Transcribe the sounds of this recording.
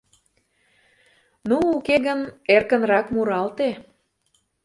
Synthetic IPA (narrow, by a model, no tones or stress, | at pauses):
nuukeɣənerkə̆nɾɑkmuɾɑlt̪e